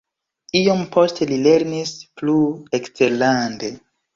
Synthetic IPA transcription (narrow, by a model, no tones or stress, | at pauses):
iompo̞ste̞lile̞ɾnisplueksteɾlande̞